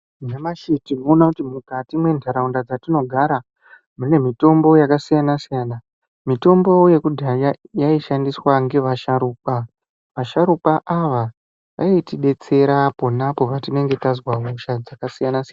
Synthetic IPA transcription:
namaʃitino̞ːnakutimukatimwe̞ndʱaɾaundad͡zatino̞ɡʱaɾa | mune̞mito̞mbo̞jakasijanasijana | mito̞mbo̞je̞kudʱajjaiʃandiswaŋɡe̞ʋaʃaɾuːka | ʋaʃaɾupaʔaʋa | ʋa̰itiɗe̞t͡se̞ɾapo̞napo̞patine̞ŋɡe̞tazwamuʃad͡zakasijanas

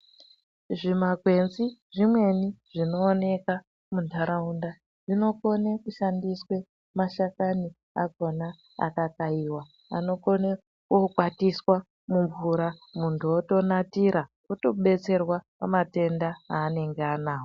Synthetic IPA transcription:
ʐimaɡʱwe̞nziʐimwe̞niʐ̥ino̞ːne̞ka | mundʱaɾaunda | ʐino̞ko̞nekuʃandiswe̞ | maʃakani | a̰ɡʱo̞na | a̰kakaiwa | a̰no̞kone | kokwatiswa | muɱvuɾamuntʰuoto̞natiɾa | oto̞ɓe̞t͡se̞rwapamate̞ndaɦaːne̞ŋɡeanaːɦo

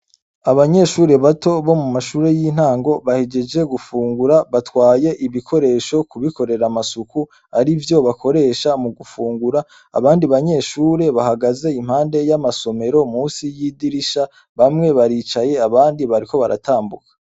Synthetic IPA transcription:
aβaɲe̞ʃuːɾe̞βato̞βo̞mumaʃuːɾe̞jiːn̥haːŋɡo̞βaheɟe̞d͡ʒe̞ɡufuːŋɡuɾaβatwaːje̞ʔiβikʰo̞ɾe̞ːʃo̞kuβiko̞ɾe̞ɾamasuku | aɾivjo̞βakʰo̞ɾe̞ːʃamuɡufuːŋɡuɾa̰ː | βaːndiβaɲe̞ʃuːɾe̞βahaɡaze̞im̥haːnde̞jamaso̞me̞ɾo̞muːsijiːdiɾiʃa | βamŋe̞βaɾiːt͡ʃaje̞aβaːndiβaɾiko̞βaɾa̰taːmbukḁ

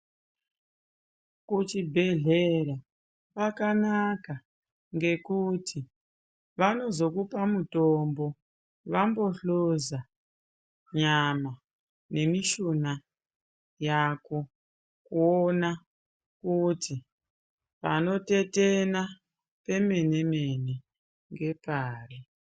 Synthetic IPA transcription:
kut͡ʃibʱe̞ɮeɾa | pakanaka | ŋɡe̞kutʰi | ʋano̞zo̞kupamutombo̞ | ʋambo̞ɬoza | ɲama | ne̞miʃuna | jako̞ | kuona | kutʰi | pano̞te̞tena | pe̞me̞nemene | ŋɡe̞paːri

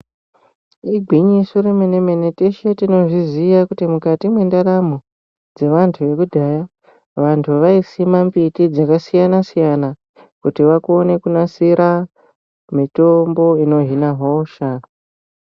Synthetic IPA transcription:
iɡʱwiɲisuɾimeneme̞neteʃetino̞ʐizijakutimukatimwe̞ndaramo | d͡ze̞ʋantʰuʋe̞kudʱaja | ʋantʰuʋaisimambitid͡zakasijanasijana | kutiʋakone̞kunasiɾa | mito̞mbo̞ino̞ɦinaɦoʃa

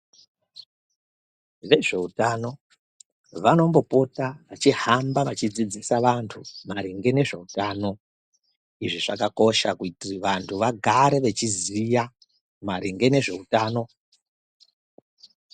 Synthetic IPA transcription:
ʋe̞ʐe̞utano̞ | ʋano̞mbo̞po̞taʋat͡ʃiɦambaʋat͡ʃid͡zid͡zisaʋantʰumaɾiŋɡe̞ne̞ʐe̞̰utaːno̞ | iʐiʐakako̞ʃakutiʋantʰuʋaɡʱaɾe̞ʋe̞t͡ʃizija | maɾiŋɡe̞ne̞ʐe̞utaːno̞

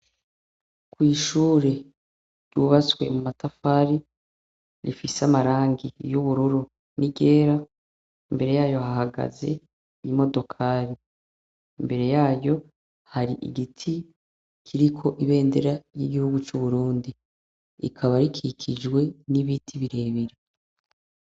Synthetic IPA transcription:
kwiːʃuːɾe̞ | ɾjuβaswe̞̰mumatafaːɾi | ɾifisamaɾaːŋɡijuβuɾuɾu | niɡe̞ːɾa | imbe̞ɾe̞jaːjo̞hahaɡa̰ze̞ | imo̞do̞kʰaːɾi | imbe̞ɾe̞jaːjo̞ | haɾiʔḭɡitʰi | kʰiɾikʰo̞ʔiβe̞ːnde̞ɾajiɡihuɡut͡ʃuβuɾuːndi | ḭkʰaβaɾikʰikʰid͡ʒwe̞niβitʰiβiɾe̞ːβiɾe

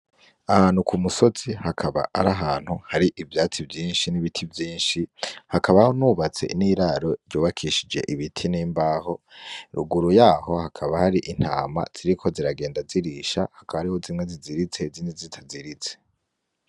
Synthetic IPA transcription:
ahaːnhukʰumuso̞t͡sihakʰaβa̰ʔaɾaɦaːn̥huhaɾiʔivjaːt͡sibjiːnʃiniβitʰivjiːnʃihakaβahonuβat͡se̞̰ʔiniːɾaɾo̞ɾɟuːβakʰiʃid͡ʒe̞̰ʔiβitʰiniːmbaːho̞iɾṵɡuɾujaːho̞hakʰaβahaɾiʔin̥haːma̰z̥iɾikʰo̞ziɾaɡe̞ːndaziɾiʃa̰hakaβaɾiho̞zimŋe̞ziziɾit͡se̞ziːndizitʰaziɾit͡se̥

